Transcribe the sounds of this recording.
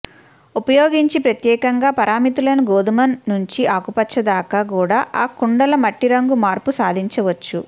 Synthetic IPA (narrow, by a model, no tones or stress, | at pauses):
upɐjoːɡiɲt͡ʃipɾɐt̪jɛːkɐŋɡaːpɐɾaːmit̪ulɐnuɡoːd̪umɐnːuɲt͡ʃiaːkupɐt͡ʃʰːɐd̪aːkɐkuːɽaːʔaːkuɳɖɐlɐmɐʈːiɾɐŋɡumaːɾpusaːd̪ʱiɲt͡ʃɐʋɐt͡ʃːu